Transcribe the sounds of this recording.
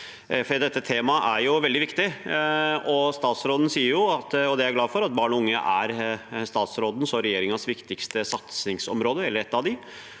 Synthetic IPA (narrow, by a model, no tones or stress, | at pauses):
fɔɖiːd̪ɛt̪ːət̪ʰeːmɑʔæɾjʊʋɛld̪ɪʋɪkt̪ɪ | ɔst̪ɑːt̪sɾoːd̪n̩siːəɾjʊɑt̪ːɔd̪ɛæɾɡlɑːfɔɾɑt̪̚bɑːɳɔʊŋːə̰ʔæɾst̪ɑːt̪sɾoːd̪n̩sɔɾɛjeːɾɪŋɑsʋɪkt̪ɪkst̪əsɑt̪snɪŋsɔ̰mɾoːd̪əɛlːəɾɛt̪ːɑʋd̪ɪ